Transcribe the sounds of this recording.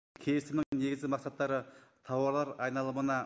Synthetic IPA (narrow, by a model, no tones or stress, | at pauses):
kʲʰejɪsɪmnɪŋne̞ɡʲɪzɡʲɪmɑqsɑt̪ːɑɾət̪ʰɑwɑɾlˠɑɾɑjnɑlˠəmənɑ